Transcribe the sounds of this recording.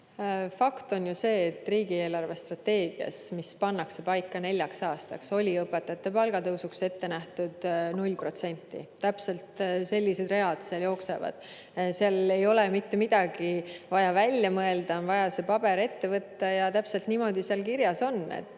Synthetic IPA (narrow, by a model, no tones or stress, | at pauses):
fɑkt̪o̞njuse̞ːt̪ːˑriːɡie̞ːlɑrve̞st̪rɑt̪ːe̞ːɡ̥iɑ̰smispɑnːɑkse̞pɑjkːɑne̞lʲjɑksɑːst̪ɑ̰kso̞lʲiɤpːˑe̞t̪ːˑɑt̪ːe̞pɑlɡ̥ɑt̪ɤwsukse̞t̪ːe̞næht̪ud̪̥nulʲpro̞t̪se̞nʲt̪ˑːḭt̪æpse̞lt̪se̞lʲːise̞d̪re̞ɑd̪̥seɑljo̞ːkse̞̰vɑ̰d̪̥ | seɑle̞jo̞lemit̪ːemid̪̥ɑɡ̥ivɑjɑvælʲjɑmɤe̞ld̪ɑonvɑjɑse̞pɑb̥e̞ɾe̞t̪ːe̞vɤt̪ːɑjɑt̪æpse̞lt̪niːmo̞d̪̥iseɑlkiɾjɑso̞nḛt̪ː